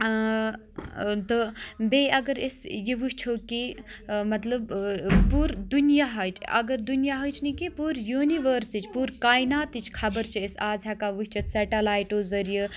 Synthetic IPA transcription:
t̪əbeɐɡəɾesjiʋuɦt͡ʃʰokimɐt̪ləbpuɾd̪unijaɦɐjt͡ʃʰɐ̰ɡəɾd̪unijaɦojt͡ʃʰnikipuɾjuːniʋəɾsit͡ʃʰpuɾkaːjnaːt̪it͡ʃʰkʰɐbəɾt͡ʃʰiesaːzʱakaʋuɦt͡ʃʰɐt̪sɛʈɐlaːjʈozɐɾjə

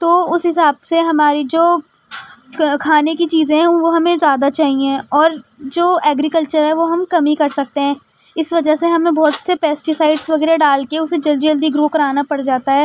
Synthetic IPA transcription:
t̪oːʊsɦɪsaːbseɦɐmaːɾid͡ʒoː | kʰaːnekit͡ʃiːzẽɦɛ̃ʋoɦɐmẽzjaːd̪at͡ʃaːɦiẽɔːɾd͡ʒoːɛːɡɾikəlt͡ʃəɾɦɛʋoɦɐmkɐmikɐɾsɐk̚t̪eɦɛ̃ː | ɪsʋɐd͡ʒɐɦseɦɐmẽbɔːt̪sepɛːsʈɪsaɪɖsʋɐɡɛːɾeɖaːlkeʊsed͡ʒɐld̪id͡ʒɐld̪iɡɾoːkɐɾaːnapɐɽd͡ʒaːt̪aɦɛː

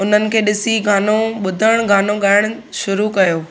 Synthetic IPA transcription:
ʊn̤ənɪ̆kʰeːɗɪsiɡʱaːnoɓʊd̪ʱəɽ̃ɡʱaːnoɠaːɪɽ̃ʊ | ʃʊɾukɐjoː

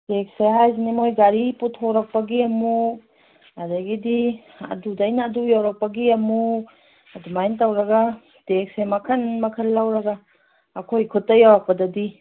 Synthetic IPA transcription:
tek̚seɦajzinimojɡaɾiputʰoɾɐk̚pɐɡiɐmu | adaɡidi | ɐ̰dudajnaːdujawɾɐk̚pɐɡiɐmu | ɐdumajntawɾɐɡa | tek̚semɐkʰɐnmɐkʰɐllːawɾɐɡaː | kʰojkʰutːɐjawɾɐk̚pɐdɐdi

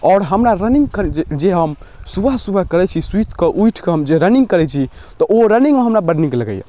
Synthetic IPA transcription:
ɔːɾɦəmɾaɾəniŋɡkəɾd͡ʒed͡ʒeɦəmsubʱəsubʱəkəɾɛt͡ʃʰiswit̪kəʔujʈʰkeɦəmd͡ʒeɾəniŋɡkəɾɛt͡ʃʰit̪ɔʔoɾəniŋmeɦəmɾabəɖnikləɡɛ̰jɛ̰

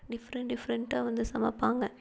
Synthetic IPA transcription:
ɖɪfɾɐɳɖɪfɾɛɳʈaːʋɐnd̪ɯsɐmɐ̰pːaːŋɡɐ

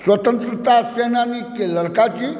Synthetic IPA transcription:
swət̪ənt̪ɾət̪asenanikeləɾkat͡ʃi

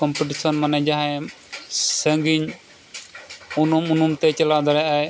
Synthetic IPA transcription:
kɔmpiʈisɔnmanɛd͡ʒaɦɛ̃ | səŋɡiɲ | unumunumt̪ɛt͡ʃɐlad̪ɔɾɛʔaj

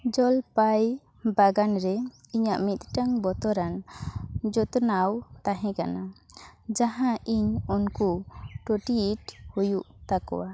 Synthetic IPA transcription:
d͡ʒɔlpaj | baɡanɾɛ | iɲaʔmit̪̚ʈaŋbɔt̪ɔɾan | d͡ʒɔt̪nawt̪aɦɛ̃ka̰nad͡ʒaɦãʔiɲɔnkuʈoʈiiʈhujuʔt̪akɔ̰wa

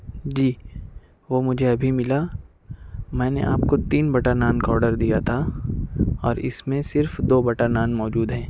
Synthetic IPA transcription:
d͡ʒiː | ʋoːmʊd͡ʒʱeɐbʱimɪla | mɛ̃ːnḛʔa̰ːpkot̪iːnbɐʈanaːnkɔːɾɖəɾd̪ijat̪ʰa | ɔːɾɪ̰smẽsɪɾfd̪oːbɐʈanaːnmɔːd͡ʒuːd̪ɦɛ̃ː

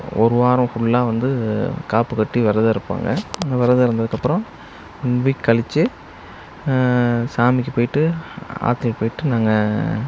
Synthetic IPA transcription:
ɔ̰ɾɯʋaːɾɯ̃fʊɭːaːʋɐnd̪ɯkaːpɯkɐʈːiʋɐɾɐðɯɪɾɯpːa̰ːŋɡɐ̰ɪnd̪ɐʋɐɾɐðɯɪɾɯnd̪ɐðɯkːɐpːɯɾɐ̃m | ɪnbikːɐɭɪt͡ʃːɯ | saːmɪkʲːɯpoːjɪʈːɯa̰ːt̪ːɪɐpoːjɪʈːɯnaːŋɡɐ

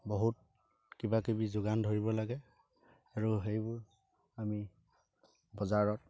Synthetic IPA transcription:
boɦut̚ | kibakibizoɡandʱoɹibɔlaɡɛ | aɹuɦejbʊɹ | ami | bɔzaɹɔt̚

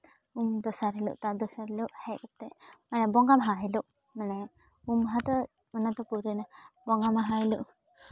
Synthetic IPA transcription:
umd̪ɔsaɾɛlṵʔt̪ad̪ɔsaɾɛluʔhɛkɔt̪ɛmanɛbɔŋɡamaɦaɦɛluʔ | manɛ | umɦat̪ɔ | manat̪ɔpuɾɛnabɔŋɡamaɦaɛluʔ

